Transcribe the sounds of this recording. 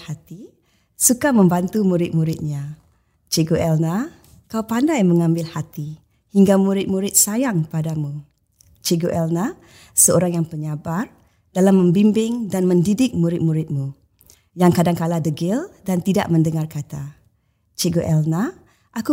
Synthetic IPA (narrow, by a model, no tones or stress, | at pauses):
hat̪i | sukamə̃mbant̪umuɾɪt̪̚muɾɪt̪̚ɲã | t͡ʃeɡoʔɛlna | kawpandajməŋãmbɪlhat̪i | hiŋɡamuɾɪt̪̚muɾɪt̪̚sajaŋpadamu | t͡ʃeɡoʔɛlna | səoɾaŋjaŋpəɲabar | d̥alamːə̃mbimbɪŋdanmə̃ndidɪk̚muɾɪt̪̚muɾɪt̪̚mu | jaŋkadaŋkaladəɡɪldant̪ida̰ʔmə̃ndəŋarkat̪a | t͡ʃeɡoʔɛlna | ʔaku